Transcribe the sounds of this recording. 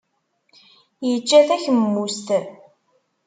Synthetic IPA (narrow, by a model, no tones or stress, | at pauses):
jət͡ʃːæθæçəmːust̪